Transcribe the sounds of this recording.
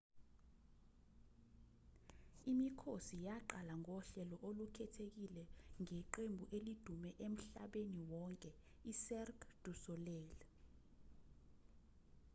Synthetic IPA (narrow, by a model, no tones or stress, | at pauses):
imikʰosijaǃalaŋɔɬɛlɔʔolukʰɛtʰek̬ilɛŋɛǃembʱuʔelid̥ʱumɛʔem̩ɬaɓeniwɔŋkʼɛ | isɛrkd̥ʱusɔlɛːlɛ